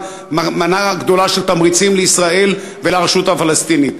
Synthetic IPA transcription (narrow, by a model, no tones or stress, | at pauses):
amanaɡd̪o̞laʃelt̪amʁit͡simleisʁae̞l | velaʁeʃut̪hafalest̪init̪